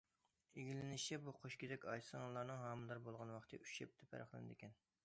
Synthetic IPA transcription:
eɡʲilɪnɪʃɛbuqʰoʃkʲid̪ɛkʲɑjsəŋɑlˠɑɾnɨŋɦɑːmɨlˠɑɾbolˠʁɑnwɑχt̪ʰɨʔy̥ʃɛp̚t̪ʰɛpʰɛ̰ɾɑχlˠɨ̰nɨ̰d̪ɪkʲʰɛn

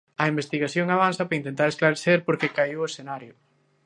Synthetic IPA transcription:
ɐimbest̪iɣaθjoŋaβ̞anθɐpɾɐint̪ent̪aɾesklaɾeθeɾpoɾkekaiwesθenaɾjʊ

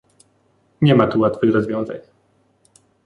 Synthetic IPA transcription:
ɲɛmat̪uwat̪fɘxɾɔzvʲjɔ̃w̃za̰ɲ

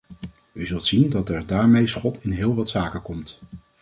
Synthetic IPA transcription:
yzɵlˠtsindɑtɛɹdaːɹmejsχɔtʰɪnɦɪːlˠʋɑtsaːkəkɔmt

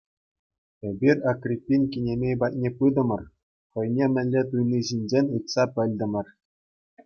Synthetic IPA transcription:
ebʲirʲɑkrʲipʲːinʲkʲinʲemʲejbɑt̪̚ʲnʲepɯd̪ɤ̆mɤ̆r | χɤ̆jnʲemʲɘ̆lʲːet̪̬ujniʑinʲd͡ʑenʲɯt̪sɑpʲɘ̆lʲd̪ʲɘ̆mʲɘ̆rʲ

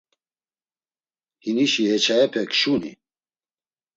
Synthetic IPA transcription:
hiniʃiɦɛt͡ʃʰajɛpʰɛkʰʃunḭ

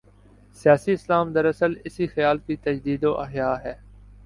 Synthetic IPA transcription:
sɪjaːsiɪslaːmd̪əɾɐsəlɪsixɪjaːlkit̪ɐd͡ʒd̪iːd̪oːʔɐɦjaːɦɛː

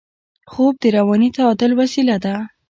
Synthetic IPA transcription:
xob̚d̪əɾawɑnit̪aɑd̪əlwasilad̪a

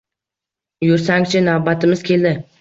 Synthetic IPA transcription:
jʊɾsaŋt͡ʃʰɪnavbat̪ʰɪmɪz̥kʲʰe̞ld̪ɪ

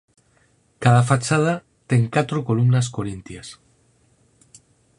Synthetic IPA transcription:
kaðafat͡ʃað̞a | t̪eŋkat̪ɾokolumnaskoɾint̪jas

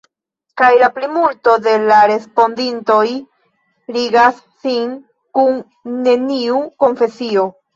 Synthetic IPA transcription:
kajlaplimulto̞de̞laɾe̞spo̞ndinto̞j | ɾiɡasːiŋ | kunː | e̞niuko̞ɱfe̞sio̞

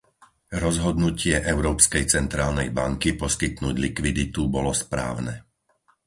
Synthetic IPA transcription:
ɾɔzɦɔd̪nucɪɛʔɛʊɾɔːpskɛjt͡sɛnt̪ɾaːlnɛjbaŋkipɔskit̪nuːɟlikʋid̪it̪ubɔlɔspɾa̰ːʊnɛ

